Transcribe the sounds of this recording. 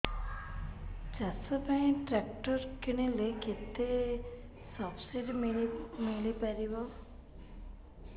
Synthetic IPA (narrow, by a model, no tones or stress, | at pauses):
t͡ʃasɔpaĩʈɾakʈɔɾkiɽ̃ileket̪e | sɔbsiɖmimilipaɾibɔ